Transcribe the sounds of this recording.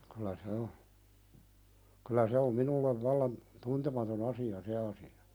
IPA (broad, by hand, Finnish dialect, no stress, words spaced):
kylæ se o kylæ se om minulːeʋ ʋɑlːɑn tuntemɑton ɑsiɑ se ɑsiɑ